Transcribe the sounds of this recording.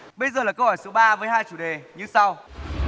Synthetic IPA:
ɓə˧jzəː˨˩laː˨˩kə˧whɔ˧˩jso˨˦ɓaː˧vəː˨˦jhaː˧jt͡ɕu˧˩ɗe˨˩ɲɨ˧sa˧w

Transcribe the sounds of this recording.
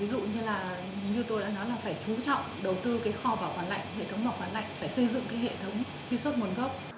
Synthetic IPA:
i˨˦zṵ˧˨ɲɨ˧laː˨˩ | ɲɨ˧t̪o˧jɗa̰ː˧˥nɔ˨˦jlaː˨˩faː˧˩jt͡ɕu˨˦t͡ɕɔ̰˧˨wŋ͡mɗə˨˩wt̪ɨ˧kaː˨˦jxɔ˧vaː˨˩wkwaː˨˩nla̰˧˨jŋ̟hḛ˧˨t̪ʰə˨˦wŋ͡mvaː˨˩kwaː˨˧˩nla̰˧˨jŋ̟faː˧˩jsə˧jzɨ̰˧˨ŋkaː˨˦jɦḛ˧˨t̪ʰə˨˦wŋ͡m | t̪i˧swə˦˥t̚mə˨˦nɣə˦˥wk͡p̚

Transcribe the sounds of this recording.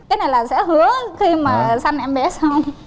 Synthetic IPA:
kaː˨˦jna˨˩jlaː˨˩sɛ̰˧˥hɨ˨˦əxi˧maː˨˩sa˧jŋ̟ʔɛ˧mɓɛ˨˦sa˧wŋ͡m

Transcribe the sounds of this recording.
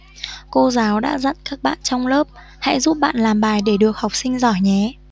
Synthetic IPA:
ko˧zaː˨˦wɗa̰ː˧˥zə̰˧˨nkaː˦˥k̚ɓa̰ː˧˨nt͡ɕɔ˧wŋ͡mləː˦˥p̚ | ha̰˧˥jzuː˦˥p̚ɓa̰ː˧˨nlaː˨˩mɓaː˨˩jɗe˧˩ɗɨ˨˩ək̚ha˨˩wk͡p̚sï˧ŋ̟zɔ˧˩jɲɛ˨˦

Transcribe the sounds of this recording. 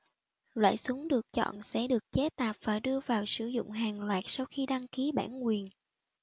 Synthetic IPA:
lwa̰ː˧˨jsʊ˨˦ŋ͡mɗɨ˨˩ək̚t͡ɕɔ̰˧˨nsɛ̰˧˥ɗɨ˨˩ək̚t͡ɕɛ˨˦˥t̪aː˨˩p̚vaː˨˩ɗɨ˧əvaː˨˩wsɨ˧˩zʊ̰˧˨ŋ͡mɦaː˨˩ŋlwaː˨˩t̚sa˧wxi˧ɗa˧ŋki˨˦ɓa̰ː˧˩nŋwi˨˩ən

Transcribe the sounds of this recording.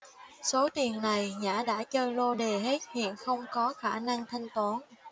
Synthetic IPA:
so˨˦t̪i˨˩əŋna˨˩jɲa̰ː˧˥ɗa̰ː˧˥t͡ɕəː˧lo˧ɗe˨˩ɦe˦˥t̚hḭ˧˨ənxə˧wŋ͡mkɔ˨˦xaː˧˩na˧ŋt̪ʰa˧jŋ̟t̪waː˨˦n

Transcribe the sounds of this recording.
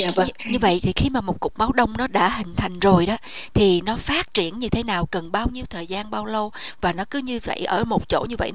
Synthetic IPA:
aː˧˨vɲɨ˧və̰˧˨jt̪ʰi˨˩xi˧maː˨˩mo˨˩t̚kʊ˨˩k͡p̚ma˨˦wɗə˧wŋ͡mnɔ˨˦ɗa̰ː˧˥ɦï˨˩ŋ̟t̪ʰa˨˩jŋ̟zo˨˩jɗɔ˨˦t̪ʰi˨˩nɔ˨˦faː˦˥t̚t͡ɕi˧˩ənɲɨ˧t̪ʰe˨˦naː˨˩wkə˨˩nɓaː˧wɲi˧əwt̪ʰəː˨˩jzaː˧nɓaː˧wlə˧wvaː˨˩nɔ˨˦kɨ˨˦ɲɨ˧və̰˧˨jʔə̰ː˧˩mo˨˩t̚t͡ɕo̰˧˥ɲɨ˧və̰˧˨j

